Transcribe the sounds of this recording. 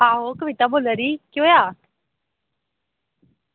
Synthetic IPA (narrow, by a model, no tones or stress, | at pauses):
ɦaːɦoːkəʋɪt̪aboːləɾikjoːjaː